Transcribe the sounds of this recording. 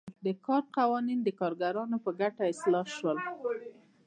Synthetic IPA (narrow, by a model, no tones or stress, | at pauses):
d̪əkɑɾqawɑnind̪əkɑɾɡaɾɑnopəɡaʈaɪslɑʃwəl